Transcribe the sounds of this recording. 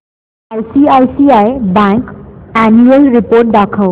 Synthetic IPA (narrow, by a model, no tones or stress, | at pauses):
ajsiajsiajbãŋkænuəlɾipoɾʈ̚d̪akʰəw